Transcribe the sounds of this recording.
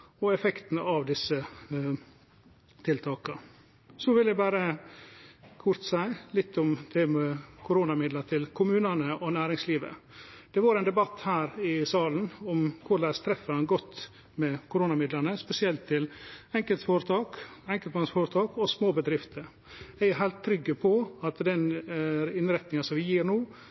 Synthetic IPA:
ɔɛfɛkt̪n̩ɑʋd̪ɪsə | t̪ʰɪlt̪ʰɑːkɑ | sɔʋɪljæbæːɾə | kʰʊɾt̪sæɪlɪt̪ʰːɔmd̪ʰɛmɛkʰʊɾuːnɑmɪd̪lət̪ʰɪlkʰʊmʉːnənəʔɔnæːɾɪŋsliːʋə̰ | d̪̥ɛʋɑɾɛɪnd̪ɛbɑt̪ːhæːɾɪsɑːlnɔmkʰʊɾlæːst̪ʰɾɛfəɑnɡɔt̪ː | mɛkʰʊɾuːnɑmɪd̪lənəspɛsɪɛlt̪ʰːɪlɛŋkəlt̪foːɾət̪ʰɑːkɛŋkəlmɑnsfoːɾət̪ʰɑːkɔsmoːbəd̪ɾɪft̪ʰəɾ | æɪæɾɦæɪlt̪ʰːɾʏɡːəpʰɔɑt̪d̪ɛn | ɪnɾɛt̪nɪŋɑsɔmʋɪjiːɾnuː

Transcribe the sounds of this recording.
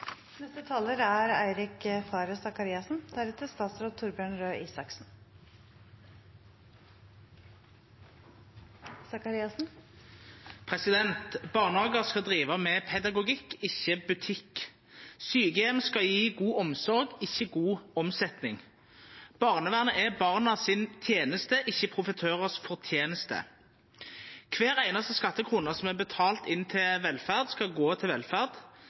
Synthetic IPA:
nɛst̪ət̪ʰɑːləɾæɾæɪɾɪkfɑːɾəsɑkɑɾiːɑsnd̪̥æɾɛt̪əst̪ɑːt̪sɾoːd̪̚t̪ʰːʊɾbjøːɳɾøːʔiːsɑksn | sɑkɑɾiːɑsn̩ | pʰʁɛsɪd̪ɛnt̪bɑːʁnəhɑːɡəʁskɑd̪ʁiːʋɑmɛːpʰɛd̪ɑɡʊɡɪkːɪçəbʉt̪ʰɪk | syːɡəɛmskɑjiːɡuːʔɔmsɔʁɡɪçːəɡuːɔmsɛt̪nɪŋ | b̥ɑʁnəʋæːʁnəʔɛbɑʁnɑsɪnt̪ʰjeːnəst̪əʔɪçːəpʰʁʊfət̪ʰøːʁəsfɔʁt̪ʰjeːnəst̪ə̰ | kʰʋeːʁæɪnɑst̪əskɑt̪ːəkʰʁuːnəsɔmɛbət̪ʰɑːlt̪ɪnt̪ʰɪlʋɛlfæʁd̪skɑɡoːt̪ʰɪlʋɛlfæʁd̪

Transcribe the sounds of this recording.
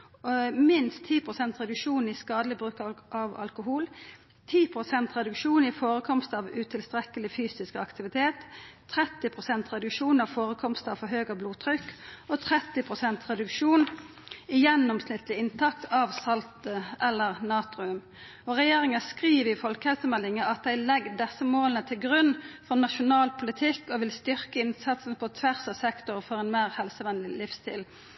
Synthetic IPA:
mɪnst̪ʰːiːpʰʁʊsɛnt̪ʁɛd̪ʉkʂuːniskɑːd̪əlɪbʁʉːkʔɑʋɑ̰lkʊɦuːl | t̪ʰiːpʰɾʊsɛnt̪ʁɛd̪ʉkʂuːnɪfoːʁəkʰɔmst̪ɑʋʉt̪ʰɪlst̪ʁɛkəlɪfyːsɪskɑkt̪ɪʋɪt̪ʰeːt̪ʰːɾɛt̪ːɪpʰʁʊsɛnt̪ʁɛd̪ʉkʃuːnɑʋfoːɾəkʰɔmst̪ɑʋfɔɦøːɡəbluːt̪ʰɾʏkːɔt̪ʰʁɛt̪ːɪpʰʁʊsɛnt̪ʁɛd̪ʉkʂuːn | ɪjɛnːɔmsnɪt̪lɪɪnt̪ʰɑk̚t̪ɑːʋsɑlt̪əʔɛlːəʁnɑːt̪ʁʊʉm | ɔʁɛjeːʁɪŋəskʁiːʋəɪfɔlkəhɛlsəmɛlːɪŋəɑt̪̚d̪æɪlɛɡːd̪ɛsəmoːlənət̪ʰɪlɡʁʉnːfɔʁnɑʃʊnɑːlpʰʊlɪt̪ʰɪkːɔʋɪlst̪ʏʁkəɪnsɑt̪snəpʰɔt̪ʰʋæʁsɑʋsɛkt̪ʊʁfɔʁɛnmeːʁhɛlsəʋɛnlɪlɪfst̪ʰḭːl

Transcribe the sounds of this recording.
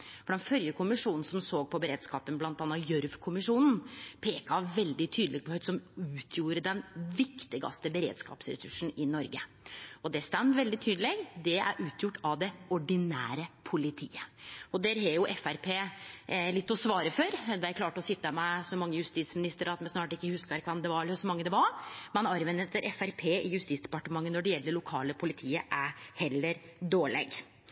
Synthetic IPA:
fɔɖ̪ɛnfœljəkʰʊmɪʂuːnn̩sɔmsoːɡ̚pʰɔbəɾeːd̪skɑ̰ːpənblɑnt̪ɑːnɑjœɾʋkʰʊmɪʂuːnn̩pʰeːkɑʋɛld̪ɪt̪ʰyːd̪lɪɡ̚pʰɔhœʏd̪sɔmʉːt̪ʰjuːɾəd̪ɛnʋɪkt̪ɪɡɑ̰st̪əbəɾḛːd̪skɑ̰ːpsɾɛ̰sʉ̰ʂn̩ɪnɔɾɡə | ɔd̪ɛst̪ɛmt̪ʋɛld̪ɪt̪ʰyːd̪əleɡd̪ɛæ̰ɾʔʉːt̪ʰjʊʈːɑʋd̪ɛɔɖɪnæ̰ːɾəpʰʊlɪt̪ʰḭːəɔd̪ɛːɾɦɛjʊʔɛfæɾpʰeːlɪt̪ːɔsʋɑːɾəfœɾd̪ɛækʰlɑːʈɔsɪt̪ːəmɛsɔmɑŋːəjʉst̪it̪smɪnɪst̪əɾɑt̪mɛnsnɑːʈɪkːəhʉskəɾkʰʋɑmd̪ɛʋɑɾəsɔmɑŋːəd̪ɛʋɑɾmɛnɑɾʋɛnət̪ːəɾʔɛfæɾpʰeːɪjʉst̪iːtsd̪ɛ̥pɑʈəmɑŋːənnɔɖɛjɛlːd̪əɭʊkʰɑːləpʰʊlɪt̪ʰiːəʔæɾhɛlːəɾɖ̪oːɭɛ̰ɡ

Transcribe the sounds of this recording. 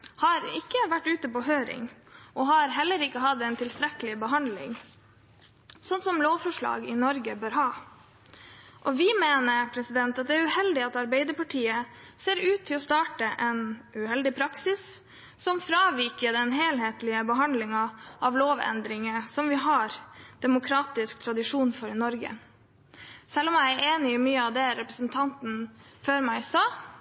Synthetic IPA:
hɑɾɪkːəʋæʈːʉːt̪əpɔɦøːɾɪ̰ŋʔɔɦɑɾɦɛlːəɾɪkːəɦɑd̪ɛnt̪ʰɪlst̪ɾɛkəlɪbəɦɑnd̪lɪ̰ŋ | sɔnːsɔmloːʋfɔʂɭɑ̰ːɡɪnɔɾɡəbøːɾɦɑː | ʔɔʋɪmeːnəɾpʰɾɛsɪd̪ɛnt̪ɑt̪̚d̪ɛæɾʉhɛld̪ɪɑt̪ɑɾbeɪd̪əɾpɑʈʰiːəseːɾʉːt̪ʰːɪlɔst̪ɑːʈəʔɛnʉɦɛld̪ɪpʰɾɑksɪs | sɔmfɾɑːʋɪːkəɖɛnɦeːlɦeːt̪lɪəbəɦɑnd̪lɪŋɑʔɑʋloːʋɛ̰nd̪ɾɪŋəsɔmʋɪɦɑɾd̪̥ɛmʊkʰɾɑːt̪ɪskt̪ʰɾɑd̪ɪʂuːnfɔɾɪnɔɾɡə̰ | sɛlːɔmjæɪæɾʔeːnɪɪmyːəɑʋd̪ɛɾɛpɾəsənt̪ʰɑnt̪n̩føːɾmæɪsɑː

